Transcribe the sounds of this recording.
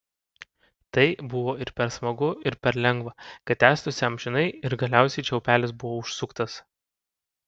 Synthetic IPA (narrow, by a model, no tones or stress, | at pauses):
t̪ɐɪbʊʋoːɪɾpʲɛɾsmɐɡʊɪɾpʲɛɾlʲɛŋɡʋɐkɐt̪ʲːæːst̪ʊsʲɪɐmʲʒʲɪnɐɪɪɾɡɐlʲæˑʊsʲɛɪt͡ʃʲɛʊpʲæːlʲɪs̬bʊʋoːʊʃsʊkt̪ɐs